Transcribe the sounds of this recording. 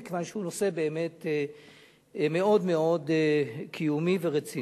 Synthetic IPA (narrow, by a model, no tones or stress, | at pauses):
kevanʃehunose̞be̞ːme̞t̪ | me̞o̞d̪me̞o̞dkʰijumiveʁet͡si